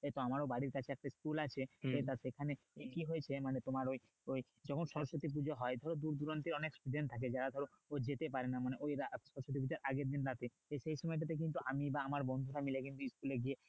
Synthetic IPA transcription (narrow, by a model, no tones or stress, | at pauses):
et̪ɔamaɾobaɽiɾkat͡ɕʰeɛk̚ʈaskulat͡ɕʰeet̪asekʰane | ekiɦojt͡ɕʰemanet̪omaɾoj | oj | d͡ʒɔkʰonʃɔɾoʃot̪ip̬ud͡ʑoɦɔed̪ʱɔɾod̪uɾd̪uɾant̪eɾɔneksʈuɖenʈt̪ʰak̬ed͡ʑaɾad̪ʱɔɾo | od͡ʑet̪ep̬aɾenamaneʔojɾaʃɔɾoʃot̪ip̬ud͡ʑaɾʔaɡeɾd̪inɾat̪ʰe | eʃejʃɔmɔjʈ̬at̪̬ekint̪uʔamibaamaɾbɔnd̪ʱuɾamilek̬int̪uskuleɡie